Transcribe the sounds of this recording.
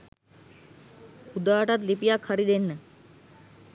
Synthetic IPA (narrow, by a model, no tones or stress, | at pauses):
ud̪aːʈat̪̬lipijakʰhaɾid̪enːə